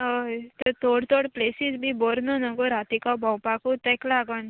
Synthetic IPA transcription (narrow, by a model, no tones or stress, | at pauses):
ɦət̪ət̪oɽt̪oɽplesid͡zbibɔɾnənəɡoɾat̪ikawbãwpakut̪ɛklaɡən